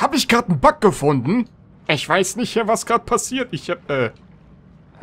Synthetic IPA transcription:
haːbəɪçɡ̥ʁaːtn̩bak̚ɡ̥əfʊndn̩ | ʔɪçv̥aɪsnɪçthɛːɐvasɡ̥ʁaːdə̥pʰasiːɐtɪçhap̚ʔɛː

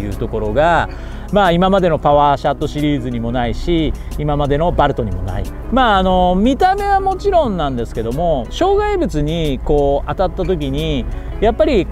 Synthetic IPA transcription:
jɯ̟̰ːt̪o̞ko̞ɾo̞ɡa | maːimamad̪e̞no̞paβaːɕat̪ːo̞ɕiɾʲiːzɨɲ̟imo̞naiɕiːmamad̪e̞no̞baɾɯ̟t̪o̞ɲ̟imo̞̰na̰ḭ | maːno̞mʲit̪ame̞βamo̞t͡ɕiɾõ̞nːãnd̪e̞sɨ̥ke̞d̪o̞mo̞ɕo̞ːɡaibɯ̟t͡sɨɲ̟iko̞ːat̪at̪ːat̪o̞kʲiɲ̟i | japːaɾʲi

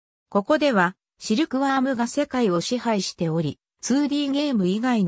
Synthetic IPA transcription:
ko̞ko̞d̪e̞βa | ɕiɾɯ̟kɯ̟βaːmɯ̟ɡase̞kaio̞ɕihaiɕi̥t̪e̞o̞ɾʲi | t͡sɨːɾʲiːɡe̞ːmɯ̟iɡain

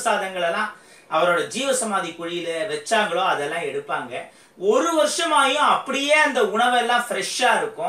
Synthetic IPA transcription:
saːðɐŋɡɐɭɛlːãː | ʔɐʋɐɾoːɽɐd͡ʒiːʋɐsɐmaːðikʊɻɪjɪlɐʋɛt͡ʃːaːŋɡɐɭoːɐðɛlːãːɛɽɯpːaːŋɡɐ | ɔɾɯʋɐɾʂɐmaːjʊ̃ɐpːɐɽɪjeːɐnd̪ɐʊɳɐʋɛlːãːfɪɾɛʂaːɪɾɯkːʊ̃

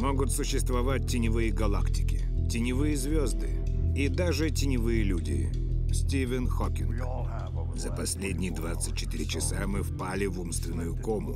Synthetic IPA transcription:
mo̞ɡʊt̪sʊɕːɪst̪vɐvat̚ʲtʲɪnʲɪvɨjəɡɐlˠaktʲɪ̥kʲɪ̥ | tʲɪnʲɪvɨjəzʲvʲozd̪ɨ | id̪aʐɨtʲɪnʲɪvɨjəlʲudʲɪ̰ɪ̰ | sʲtʲivʲɪnxokʲɪnɡ | zəpɐsʲlʲedʲnʲɪjəd̪vat̪sɨt̚ʲt͡ɕːɪ̥t̪ɪɾʲɪt͡ɕɪsamɨfpalʲɪvumst̪vʲɪnːʊjʊkomlˠʊ

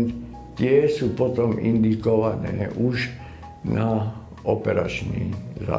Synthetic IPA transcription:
t̪ | t̪ɪɛsuːpɔt̪ɔmḭnd̪ikɔʋanɛːʔuʃ | na | ʔɔpɛɾa̰t͡ʃnḭːza̰

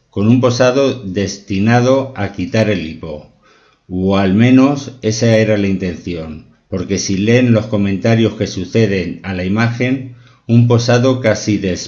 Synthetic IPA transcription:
ko̞numpo̞saðo̞ðe̞st̪inað̞o̞akit̪aɾe̞lipo̞ | oalmẽ̞no̞se̞sae̞ɾalaint̪e̞n̟θjo̞n | po̞ɾke̞sile̞nlo̞sko̞mẽnt̪aɾjo̞ske̞suθe̞ð̞e̞nalaimaxe̞n | ump̬o̞saðo̞kasiðe̞s

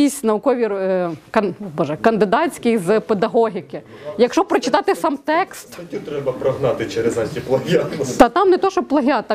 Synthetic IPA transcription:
isʲnɐwʊkɔʋʲirkɐnbɔʒɛkɐnd̪ɪd̪ɑt͡sʲkɪjzped̪ɐɦɔɦʲɪkɪ | jɐkʃɔpɾɔt͡ʃɪt̪ɑt̪ɪsɑmt̪ɛkst̪ɐtʲit̪ɾɛbɐpɾɐɦnɑt̪ɪt͡ʃɛɾezɐtʲiplˠɐɦʲant̪ɐt̪ɑmnɛt̪ɔʃɔplˠɐɦʲɑt̪ɐ

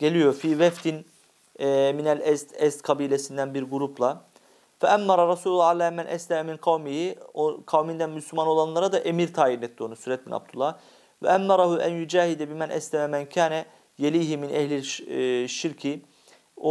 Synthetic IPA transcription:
ɟ̥elʲijo̞fiːvɛft̪ʰinː | minælɛst̪ɛst̪kʰɑbiːlʲesind̪ænbiɾɡuɾupʰlˠa | fɛʔæmːɑɾˤɑɾˤɑsuːlulˠːɑalæːmænʔæslʲɛmɛminqʰɑwmihioqʰɑwmind̪ænmyslʲymano̞lˠɑnlˠaɾad̪ɑʔemiɾt̪ʰaːjiɾnɛt̪d̪ːionusyɾɛt̪̚binʔɑ̰b̚d̪ulːɑh | vɛ̰ʔæmːɑɾˤɑhuʔæ̰njud͡ʒaːhid̪ɛbimænʔɛ̰slʲɛmɛmæncʰaːnɛ | jelʲiːɦiminʔɛhlʲilʃiɾcʰi | o

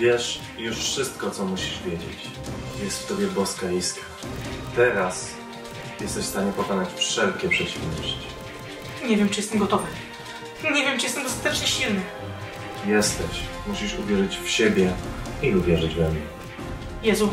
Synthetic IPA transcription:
vʲjɛʂ | juʂfʂɘst̪̚kɔt̪sɔmuɕiʐvʲjed͡ʑḛt͡ɕ | jɛst̪ft̪ɔbʲjɛbɔskaiskḁ | t̪ɛɾas | jɛst̪ɛɕfst̪aɲɛpɔkazat͡ɕfʂɛlkʲɛpʂɛt͡ɕivnɔɕt͡ɕi̥ | ɲɛvʲjɛmt͡ʂɨjɛst̪ɛmɡɔt̪ɔvɨ | ɲɛvʲjɛmt͡ʂɨ̥jɛst̪ɛmɡɔst̪ḁt̪ɛt͡ʂɲɛɕilnɘ | jɛst̪ɛɕmuɕiʂuvʲjɛʐɘt͡ɕfɕebʲjɛiuvʲjɛʐɘd͡ʑvɛmɲɛ | jɛzu

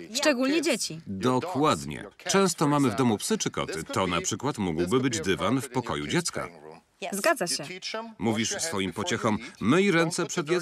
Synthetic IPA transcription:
ʂt͡ʂɛɡulɲɛd͡ʑet͡ɕid̪ɔkʰwad̪ɲɛ̰t͡ʂɛ̃w̃st̪ɔmamɘvd̪ɔmupsɘt͡ʂɘkɔ̰t̪ɘt̪ɔna̰pʂɘkwat̪muɡwbɘbɘd͡ʑd̪ɘvanfpɔkɔ̰jṵd͡ʑɛt̪ska̰ | zɡad̪zaɕɛmuvʲiʂsfɔjimpɔt͡ɕɛxɔmːɘiɾɛnt̪sɛpʂɛd̪jɛ

